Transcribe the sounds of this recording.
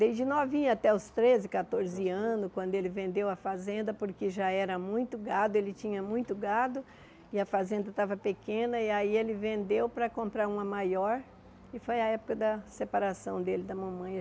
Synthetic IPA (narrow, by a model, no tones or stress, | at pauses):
d̪ezd͡ʒɪnɔvĩɲat̪ɛʊst̪ɾezɪkat̪oɾzɪɐ̃nʊskwɐ̃nd̪ʊelɪvẽnd̪ewɐfazẽnd̪ɐpoɾkɪʒaɛɾɐmũj̃t̪ʊɡad̪ʊelɪt͡ʃĩɲɐmũj̃t̪ʊɡad̪ʊ | ɪɐfazẽnd̪ɐt̪avɐpekẽnɐiaielɪvẽnd̪ewpɾɐkõmpɾaɾũmɐmajɔɾ | ɪfojɐɛpʊ̥kɐd̪ɐsepaɾasɐ̃w̃d̪elɪd̪ɐmɐ̃mɐ̃j̃ɐ